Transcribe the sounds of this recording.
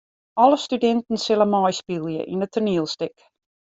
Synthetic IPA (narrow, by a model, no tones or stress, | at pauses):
ɔləstydɛntən̩sɪlənmɔjspilˠjə̰ʔḭnətʰərniəlˠstɪk